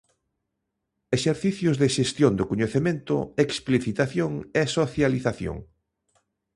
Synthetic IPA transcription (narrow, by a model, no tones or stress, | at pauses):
eʃeɾθiθjʊzðeʃest̪jond̪okoɲeθemẽnt̪ʊ̰ekspliθit̪aθjoŋɛsoθjaliθaθjo̰ŋ